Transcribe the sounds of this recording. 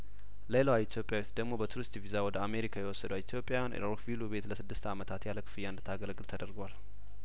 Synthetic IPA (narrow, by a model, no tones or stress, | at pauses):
lelawait̪ʰjo̞pʼjawuit̪d̪əɡmo̞bət̪ʰuɾɨst̪vizawɔd̪əame̞ɾikʰajɛwɔsːəd̪wit̪ʰjo̞pʼːjawjan̰ɾokvilube̞t̪ləsɨd̪ːɨst̪amət̪ʰat̪jaləkʰɨ̥fɨjːand̪ɨt̪ʰaɡəlɡɨlt̪ʰəd̪əɾɡwal